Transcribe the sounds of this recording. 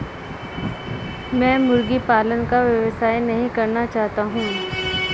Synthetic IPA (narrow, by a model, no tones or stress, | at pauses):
mɛ̃ːmʊɾɡipaːlənkaʋjɐʋsaːjnɐɦĩkɐɾnat͡ʃaːɦt̪aɦũː